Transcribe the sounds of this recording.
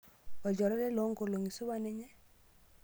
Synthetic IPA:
ɔ˨d͡ʒɔ˨ɾɔ˦ɾɛ˦lo˨˦ŋko˨lo˨ŋi˨su˦wa˦nɛ˦ɲɛ˦

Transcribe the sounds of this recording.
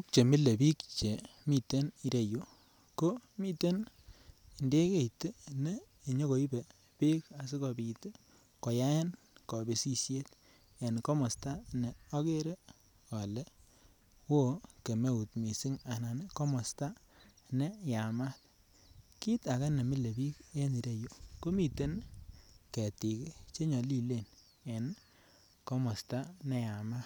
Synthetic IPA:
u˦k̚t͡ʃe˨mi˦le˨bi˦kt͡ʃe˨mi˦te˦ni˦ɾe˨jo˦ | ko˦mi˦te˦n˨ | nde˦ke˦˨i˨te˦neː˦˨ | ɲo˦ko˨i˦be˨ | pi˦ka˨s̬i˦ko˨bi˨te˦ | kɔ˨ja˦je˦n | kɔ˨be˨si˦sje˦t | ja˨n˨kɔ˦mɔ˨sta˦ne˨ɔ˦ke˦ɾe˦ | ɔ˨le˦ | wo˦ke˨me˦u˨tmi˨si˦ŋa˨na˨ne˦ko˦mɔ˨sta˦ | ne˦ja˨ma˦t | ki˦ta˨ka˦ne˨mi˦le˨bi˦ke˦e˦ni˨ɾe˦jo˦ko˦mi˨te˦n | kɛ˨ti˨kt͡ʃe˦ɲɔ˨li˦le˦˨n | e˨n | ko˦mɔ˨sta˦ne˨ja˨ma˦t

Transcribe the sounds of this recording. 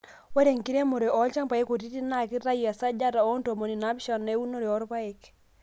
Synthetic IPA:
wɛ˦ɾe˨ŋki˦ɾe˦mo˨ɾe˨ʔɔ˦lt͡ʃa˦ŋpa˨e˦ko˨ti˦ti˦na˦˨ki˦ɾa˦ji˨a˨sa˦d͡ʒa˦ta˨ɔ˦nto˨mo˨ni˨na˦bʃɔ˨nːe˨˦wu˦no˦ɾe˨ɔ˦ɾpa˦e˨k

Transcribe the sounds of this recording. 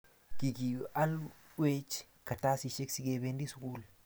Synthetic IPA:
ki˨ki˨ʔa˦l | we˦t͡ʃ | kɐ˨ta˦si˨ʃe˦ksi˦ɡe˨be˦ndi˦sukuː˦l

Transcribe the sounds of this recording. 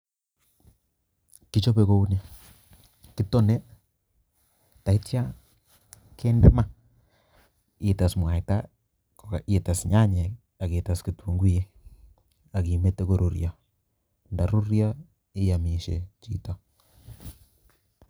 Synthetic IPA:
ki˦t͡ʃo˦be˨ko˦u˦nja˨ | kɪ˦to˦ne˦ | ta˨i˦tja˦ | kʰe˦ndɛ˦ma˦ | e˨ta˨smwa˨ita̰˦ | ka˨e˨ta˨sɲa˦ɲe˨ | a˨ke˨ta˨ski˨tu˨ŋɡi˦je˦ | a˨ki˨me˦tːe˦ko˨ɾo˨ɾja˨ | nda˨ɾo˦ɾja˦ | ɪ˦ja˨mi˨ʃḛ˨t͡ʃḭ˦ta˨

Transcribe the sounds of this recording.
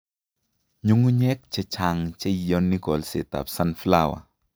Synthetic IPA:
ɲu˦ŋu˦ɲɛ˦k̚t͡ʃe˧t͡ʃa˨ŋt͡ʃe˦˨jɔ˦nːi˦kɔ˨lse˨t̪a̰˨p̚sa˦nfla˦˨wa̰˨

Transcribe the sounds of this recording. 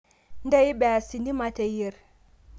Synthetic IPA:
nda˦jba˨a˨si˨ni˦ma˨˦ta˨ji˦˨ɾ

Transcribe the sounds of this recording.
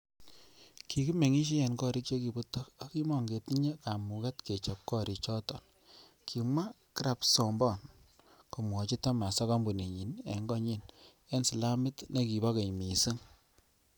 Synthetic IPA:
ki˨ki˦me˨ŋi˦ʃ̬i˦ɛ˨nkɔ˦ɾi˦k̚t͡ʃe˦ki˨bu˦tːɔ˦ka˦ki˦mɔ˨ŋɡe˨ti˦ɲe˦ka˨mu˨kɛ˦tke˨t͡ʃɔ˨p̚kɔ˦ɾi˨t͡ʃɔ˦tɔ˨n | kʰi˨ŋwa˦ | ki˦ɾa˨psɔ˨mbɔ˦˨n | ko˨mwɔ˨t͡ʃi˦tɔ˦ma˨sɔ˦ka˦mbu˨ne˨ɲi˨nḛ˨ŋɡɔ˦ɲi˦n | e˦nsi˨la˦mɪ˦tne˦ki˨bɔ˦ke˨jmi˨si˦ŋ

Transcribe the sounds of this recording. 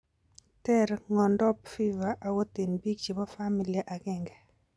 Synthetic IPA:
tɛ˦ɾŋɔ˨ndɔ˦pfi˦va˨ʔːwo˦t̪e˨nbi˦ɡ̚t͡ʃi˨bɔ˦fa˦mi˨lɪjɛ˨ʔa˨kɛ˦ŋɡɛ˨

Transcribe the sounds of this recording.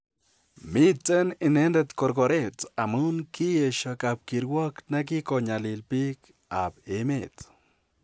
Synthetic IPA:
mit͡se˦ni˨ne˦nde˧t̪ko˧ɾko˧ɾe˦t̪a˨mu˦nki˦je˨ʃo˧kab̚ki˨ɾwo˦kna˦k̬i˦ko˧ɲa˨li˨lpi˦k | abe˨me˨t͡s

